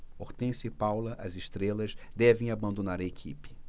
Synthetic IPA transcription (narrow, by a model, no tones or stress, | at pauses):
oɾt̪ẽsɪpawlɐʔɐzɪʃt̪ɾelɐzd̪ɛvẽj̃abɐ̃nd̪onaɾɐekʰḭpɪ̥